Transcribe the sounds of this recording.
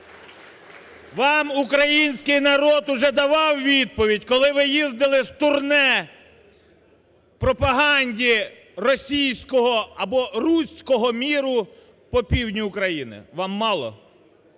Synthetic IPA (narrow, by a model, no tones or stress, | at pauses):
ʋɑmukɾɐjinʲsʲkɪjnɐɾɔt̪ʊʒɛd̪ɐʋɑwʋʲid̪̚pɔʋʲidʲkɔlˠɪʋɪjizd̪ɪlˠɪst̪ʊrnɛ | pɾɔpɐɦɑnʲdʲi | rɔsʲijsʲkɔɦɔɐbɔrusʲkɔɦɔmʲiɾʊ | pɔpʲiwnʲiʊkɾɐjinɪ̰ʋɑmːɑlˠɔ̰